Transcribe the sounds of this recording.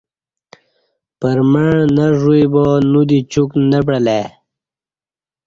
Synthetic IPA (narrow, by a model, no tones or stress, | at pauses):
pəɾməɳnaʐujbonud̪it͡ɕuknəp̬ɽəle